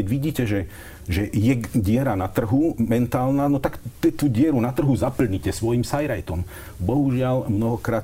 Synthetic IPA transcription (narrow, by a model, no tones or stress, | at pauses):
ɛɟʋiɟiːcɛʒɛ | ʒɛjɛɟɪɛɾanat̪r̩ɦumɛnt̪aːlnaːnɔt̪akt̪ɛt̪uːɟɪɛɾunat̪r̩ɦuzapl̩ɲicɛsʋɔjimsajɾajt̪ɔm | bɔɦuʒɪalmnɔɦɔkɾaːt̪